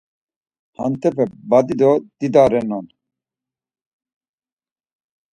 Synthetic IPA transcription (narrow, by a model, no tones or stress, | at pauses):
ha̰nt̪ʰɛpɛbad̪id̪ɔd̪̥id̪aɾɛnɔn